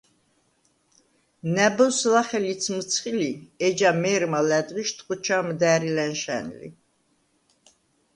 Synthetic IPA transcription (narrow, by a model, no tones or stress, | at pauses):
næbɔslaχɛlit̪sʰmt̪sʰχiliɛd͡ʒamɛːɾmalɛd̪viʃt̪ʰʼqʼut͡ʃʰamd̪æːɾilɛnʃɛ̰nlḭ